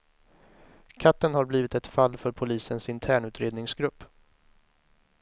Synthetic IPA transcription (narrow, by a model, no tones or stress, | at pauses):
kʰat̪ːənhaɾbliːvɪt̪ɛt̪falːfœɾpʰʊliːsənsɪnt̪ʰæːɳʉ̟ːt̪ʰɾeːd̪nɪŋsɡɾɵpː